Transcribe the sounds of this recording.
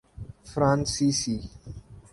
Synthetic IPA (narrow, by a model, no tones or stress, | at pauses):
fɾãnsisi